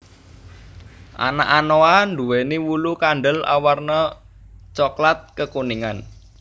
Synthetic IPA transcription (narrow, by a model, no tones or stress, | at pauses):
ʔa̰naʔanoanɖuweniwulukaɳɖəla̰warnə | t͡ʃɔklat̪̚kəkuniŋan